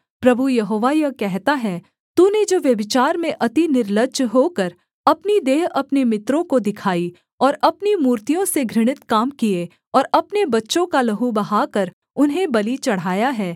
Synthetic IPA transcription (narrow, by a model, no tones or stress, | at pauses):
pɾɐbʱujɐɦoːʋajɐkɛɦt̪aɦɛː | t̪uːned͡ʒoːʋjɐbɪt͡ʃaːɾmẽʔɐt̪inɪɾləɡd͡ʒɦoːkɐɾ | ɐpnid̪eːɦɐpnemɪt̪ɾõkod̪ɪkʰaːi | ɔːɾɐpnimuːɾt̪ijõseɡʱɾɪɽ̃ɪt̪kaːmkie | ɔːɾɐpnebɐtːʃõkalɐɦubɐɦaːkɐɾ | ʊnɦẽbɐlit͡ʃɐɽ̤aːjaɦɛː